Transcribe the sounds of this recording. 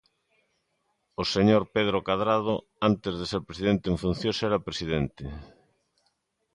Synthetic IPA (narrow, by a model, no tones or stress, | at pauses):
oseɲoɾpeð̞ɾokaðɾað̞o | ant̪ezðeseɾpɾesiðent̪eɱfun̟θjosɛɾapɾesiðent̪ɪ